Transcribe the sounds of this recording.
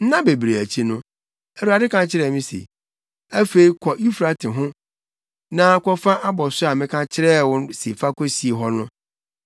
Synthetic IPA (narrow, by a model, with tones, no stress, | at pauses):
n̩˦nã˦be˨bɾe˨æ˨t͡ɕʰi˦nʊ̃˦ | æ˨ɾu˨˦a˨dɪ˦kʰã˨t͡ɕʰɪ˦ɾɛ˨mĩ˦sḛ˨ | æ˦fe˨i˦kʰɔ˨ʔi˦fɾa˨tʰɪ̃˨ɦʊ̃˦ | nã˦kɔ˦fa˦ʔa˦bɔ˨sʊ˦a˨mɪ̃˦kʰã˦t͡ɕʰɪ˦ɾɛ˦wʊ̃˦nse˨fa˦kʰɔ˦si˨e˨ɦɔ˦nʊ̃˦